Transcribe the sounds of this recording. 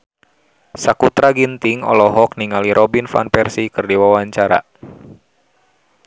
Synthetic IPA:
sakut̪ɾaɡint̪iŋɔ̰lɔɦɔk̚niŋaliɾʔɔbinfa̰npɛrsikɨrdiwawaɲt͡ʃaɾa̰

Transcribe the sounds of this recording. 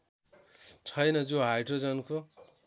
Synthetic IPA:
t͡sʰʌjnʌd͡zoɦajʈod͡zʌnkʰo

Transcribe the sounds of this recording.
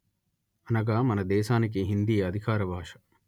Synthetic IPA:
ɐnɐɡaːmɐnɐd̪eːsaːnik̬eɦind̪ijɐɐd̪ʱikʰaːɾɐbʱaːʃɐ̥

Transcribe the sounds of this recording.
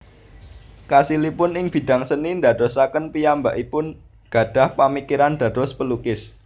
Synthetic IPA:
kasilipʊnɪŋb̥i̤d̥a̤ŋsənind̪ä̤dɔsakənpijambaʔipʊn | ɡ̥ä̤d̥a̤hpamikiɾand̪̥ä̤dɔspəlukɪs

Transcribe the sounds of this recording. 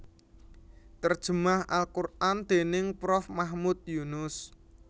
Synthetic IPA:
t̪ərd̥ʒ̥ə̤maha̰lkurʔand̪̥e̤nɪŋpɾɔfmahmut̪̚junʊs

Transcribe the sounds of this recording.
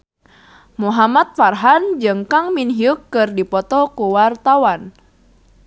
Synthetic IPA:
muɦamat̪̚farɦand͡ʒɨŋkaŋminɦiukːɨrdipɔt̪ɔkuwart̪awan

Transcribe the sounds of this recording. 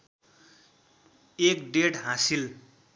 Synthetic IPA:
ekɖeʈɦãsil

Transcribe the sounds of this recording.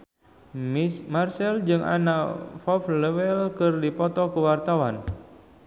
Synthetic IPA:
mmarsɛld͡ʒɨŋʔa̰nafɔfləwɛlkɨrdipɔt̪ɔkəwart̪awan

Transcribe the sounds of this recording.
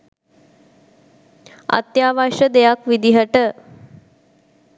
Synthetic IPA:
a̰t̪jaːʋaʃəd̪ejakʋid̪iɦəʈə

